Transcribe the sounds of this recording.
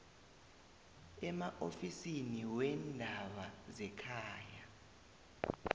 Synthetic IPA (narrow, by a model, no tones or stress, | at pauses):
ɛmaʔofisiniwɛndʱaɓazɛkʰaːja